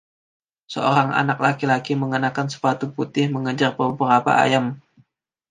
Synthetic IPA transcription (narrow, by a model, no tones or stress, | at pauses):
səoɾaŋa̰nak̚lakilakiməŋənakansə̥pat̪uput̪ɪhməŋəd͡ʒarbəbəɾapa̰a̰jam